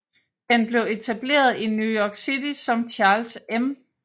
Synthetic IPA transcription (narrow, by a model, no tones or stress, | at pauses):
henb̥le̝ʊe̝t͡sʰæb̥le̝̰ːɐð̞ˠinjujɒɡ̥sidisɒ̽mt͡ɕʰɑ̈ːlsem